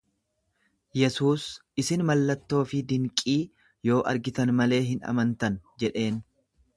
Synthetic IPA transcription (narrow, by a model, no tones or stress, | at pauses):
jɛsuːsɪsɪnmɐlːɐt̪ːo̞ːfɪd̪ɪŋkʼiː | jo̞ːʔɐ̰ɾɡɪt̪ɐnmɐle̞ːɦɪnɐ̰mɐnt̪ɐnd͡ʒɛᶑe̞ːn